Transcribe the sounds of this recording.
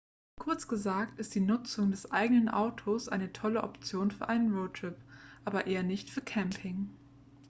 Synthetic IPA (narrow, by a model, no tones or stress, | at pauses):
kʰʊɐt͡sɡ̥əzaːktɪst̚d̥iːnʊt͡sʊŋdɛsʔaɪɡənənʔa̰ʊtʰosʔa̰ɪnətʰɔləʔɔ̰pt͡sjoːnfyːɐʔaɪnənʁoʊtʁ̥ɪpʔaːbɐʔeːɐnɪçtfyːɐkʰɛmpʰɪŋ